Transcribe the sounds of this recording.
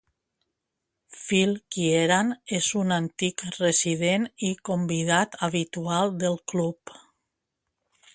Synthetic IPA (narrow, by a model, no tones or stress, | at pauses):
filkieɾanezunant̪ikreziðenikombiðat̪aβit̪ualˠd̪əlˠklup